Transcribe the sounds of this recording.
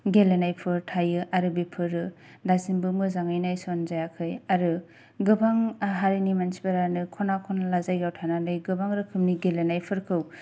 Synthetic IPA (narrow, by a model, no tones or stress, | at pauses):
ɡelenajpʰɯɾtʰajɯʔaɾɯbepʰɯɾɯ | dasinbɯmɯzaŋajnajsɔnzajakʰɯjaɾɯ | ɡɯbaŋɦaɾinimansi̥baɾanɯkʰɔnakʰɔnalazajɡawtʰananɯjɡɯbaŋɾɯkʰɯmniɡelenajpʰɯɾkʰɯw